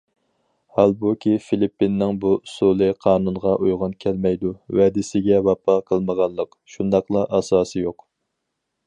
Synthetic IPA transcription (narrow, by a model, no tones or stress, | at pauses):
hɑlˠbukʲifilipːinːɪŋbuusulˠɨqʰɑːnunʁɑʔujʁʊnkʲʰɛlmɛjd̪uwɛd̪ɪsɪɡʲɛvɑpʰɑqʰəlˠməʁɑnlˠəq | ʃund̪ɑqlˠɑʔɑsɑːsɨjoq